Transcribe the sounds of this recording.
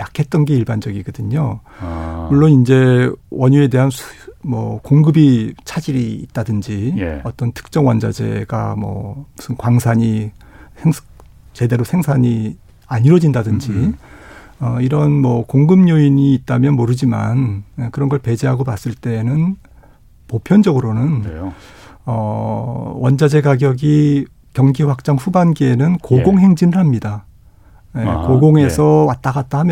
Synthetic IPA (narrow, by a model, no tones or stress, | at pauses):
jakʰe̞t̚t͈ʌnɡe̞iɭband͡ʑʌɡiɡʌdɯɲo | muɭːonind͡ʑe̞wʔʌɲue̞de̞ɦansʰmʌkoŋɡɯbit͡ɕʰad͡ʑiɾiːt̚t͈adɯnd͡ʑijʌt͈ʌntʰɯ̥k̚t͡ɕ͈ʌŋwʌnd͡ʑad͡ʑe̞̰ɡa̰mʌ̰musʰɯnkwaŋsʰaɲi | sʰeŋsʰ | t͡ɕe̞de̞ɾosʰe̞ŋsʰaɲi | aɲiɾwʌd͡ʑindadɯnd͡ʑi | ʌiɾʌnmwʌkoŋɡɯmɲoiɲiːt̚t͈amjʌnmoɾɯd͡ʑima̰nekɯɾʌnɡʌɭpe̞d͡ʑiɦaɡopas͈ɯɭt͈e̞ːnɯn | popʰjʌnd͡ʑʌɡɯɾonɯn | ʌ | wʌnd͡ʑad͡ʑe̞ɡaɡjʌɡi | kjʌŋɡiɸak̚t͡ɕ͈aŋɸubanɡienɯnkoɡoŋɦe̞ŋd͡ʑinɯɭhamɲida | jekoɡoŋe̞sʰʌwat͈̚aɡat̚t͈ahamjʌ